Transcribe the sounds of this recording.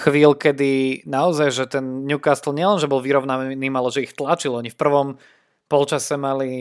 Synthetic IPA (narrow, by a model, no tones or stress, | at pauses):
xʋiːlkɛd̪inaɔzajʒɛt̪ɛnɲukast̪l̩ɲɪɛlɛnʒɛbɔlʋiɾɔʊnaniːmalɛʒɛixt̪lat͡ʃilɔɲifpr̩ʋɔm | pɔlt͡ʃasɛmali